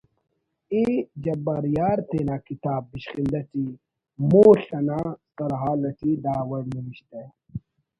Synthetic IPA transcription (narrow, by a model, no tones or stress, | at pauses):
id͡ʑɐbaɾjaːɾt̪eːnaːkit̪aːbːiɕχind̪ɐt̪i | muːɬɐnasɐɾɦaːlɐt̪ʰid̪aːwɐɽniwiɕt̪e